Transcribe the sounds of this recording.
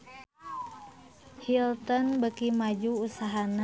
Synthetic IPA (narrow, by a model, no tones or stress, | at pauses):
hilt̪ɔnbəkimad͡ʒuusaɦana